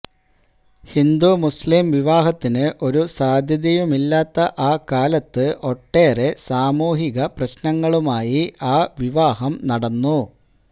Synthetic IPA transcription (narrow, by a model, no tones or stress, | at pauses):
hind̪umuslimʋiʋaːɦɐt̪ːinɨʔo̞ɾusaːd̪ʱjɐðjɐjumilːaːt̪ːɐʔaːkaːlɐt̪ːɨʔo̞ʈːe̞ːre̞saːmuːɦiɣɐprɐɕnɐŋːɐɭumaːjiaːʋiʋaːɦɐmnɐɽɐnːu